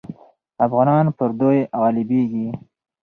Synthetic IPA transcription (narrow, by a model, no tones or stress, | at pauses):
afɣɑnɑnpəɾd̪ojɣɑlibeɡi